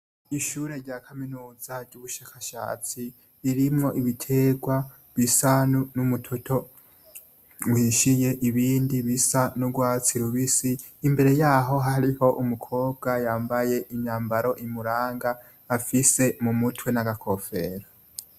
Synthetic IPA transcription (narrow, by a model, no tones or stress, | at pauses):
iʃuɾe̞ɾɟaːkʰaminuːzaɾɟuβuʃaːkaʃa̰ːt͡si | iɾimŋo̞ʔiβitʰe̞ːɡwa | βisanunumutʰotʰo̞ | wiʃije̞ʔiβiːndiβisanuɡwaːt͡siɾuβisiː | mbe̞ɾe̞jaːɦo̞ɦaɾiho̞ʔumukʰo̞ːb̚ɡajaːmbaje̞ʔimɲaːmbaɾo̞ʔimuɾaːŋɡaː | fise̞mumutʰwe̞naɡakʰo̞fe̞̰ːɾa